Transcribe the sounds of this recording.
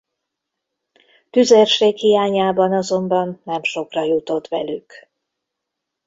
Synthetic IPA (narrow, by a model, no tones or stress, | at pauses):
t̪yzerʃeːkhijaːɲaːbɒnɒzo̞mbɒnːɛmʃo̞krɒjut̪o̞t̪ʋɛlyk